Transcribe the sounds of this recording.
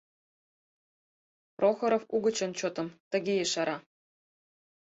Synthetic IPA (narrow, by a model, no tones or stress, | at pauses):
prʔoxɤ̆ɾɤ̆fuɡɤ̆t͡ɕɤ̆nt͡ɕot̪ɤ̆mt̪ɤ̆ɡʲejeʃɑɾʔɑ